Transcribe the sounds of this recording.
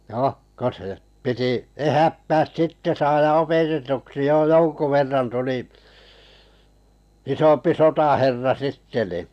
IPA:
no ko se piti ehætːæːs sitːe sɑːjɑ opetetuksi jo joŋku ʋerːɑn tuli isompi sotɑherːɑ sitːe ni

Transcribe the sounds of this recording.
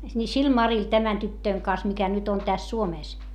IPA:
ni sil mɑril tæmæn tytːøiŋ kɑn̆s mikæ nyt nyt on tæs suomeˑs

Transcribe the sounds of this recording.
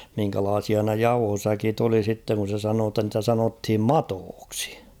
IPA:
miŋkælɑːsiɑ ne jɑuhosækit oli sitːeŋ kun̞ se sɑnoː tːɑ ntæ sɑnothim mɑtoːksi

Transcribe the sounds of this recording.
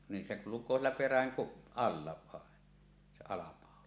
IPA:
nin se kulukˑoː sielːæ peræŋ kup ɑlːɑ ʋɑˑen se ɑlɑpɑˑolɑ

